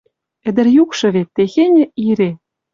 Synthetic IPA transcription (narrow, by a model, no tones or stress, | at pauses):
ɘ̆d̪ɘ̆rjukʃɤ̆βet̪ːexenʲɘ̆iɾe